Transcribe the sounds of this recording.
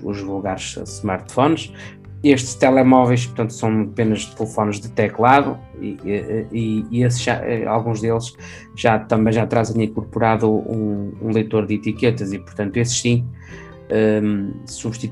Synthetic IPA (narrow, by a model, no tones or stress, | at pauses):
uʒvulˠɣaɾʃsmaɾt̪fɔnʃ | eʃt̪ʃt̪ɛlˠɛmɔvɐjʃ̬puɾt̪ɐ̃nt̪u̥sɐ̃w̃penɐʒt̪ɨlˠɨfɔnʒðɨt̪ɛklˠaðu | ḭɛɛiies̬ʒa̰ʔɛ̰a̰lˠɣũʒðelˠʃ | ʒ̥at̪ɐ̃mbɐ̃j̃ʒat̪ɾazẽj̃ĩŋkuɾpuɾaðuũṵ̃lˠejt̪oɾðit̪ikɛt̪ɐzipʊɾt̪ɐ̃nt̪uesɨ̥ʃsĩ | ɛsuβʃt̪i